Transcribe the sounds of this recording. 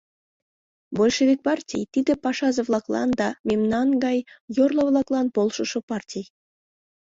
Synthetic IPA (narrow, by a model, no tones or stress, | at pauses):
bolʲʃeβʲek̚pɑrtʲḭjt̪id̪ĕpɑʃɑzə̆βlˠɑklˠɑ̰nd̪ɑmemnɑnɡɑjjorlˠŏβlˠɑklˠɑnpolˠʃəʃɤ̆pɑrtʲij